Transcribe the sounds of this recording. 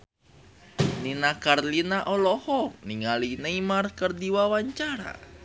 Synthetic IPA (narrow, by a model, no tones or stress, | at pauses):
ninakarlinaʔɔlɔhɔniŋalinaimarkərdiwawaɲt͡ʃaɾa̰